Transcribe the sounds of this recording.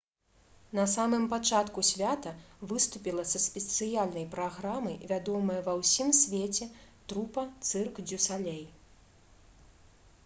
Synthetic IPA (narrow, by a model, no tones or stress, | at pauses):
nɐsamɨmpat͡ʂat̪kusʲvʲat̪ɐvɨst̪upʲilˠɐsɐsʲpʲɛt̪sɨjalʲnɐjpɾaɣɾamɐjvʲad̪ɔmɐjɐvɐwsʲimsʲvʲet͡sʲɛt̪ɾupɐt̪sɨrkd͡zʲusalʲɛj